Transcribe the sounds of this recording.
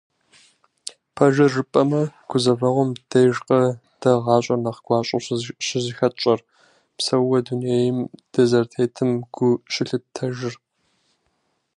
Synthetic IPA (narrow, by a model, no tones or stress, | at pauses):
pʰɐʒɐrɨpʼɐmɐɡ̥ʷʊzɐvɐʁʷɔmd̥ɐjʒqɐ | d̥ɐʁɑːɕʼɐnɐqɡʷɑːɕʼɐɕɕɪzɪxɐt͡ʃʼɐr | psɐwɐduneːjɪmd̥ɐzɐrtʰeːtʰɨmɡ̥ʷʊʃɪɬɨp̚tʰɐʒɪr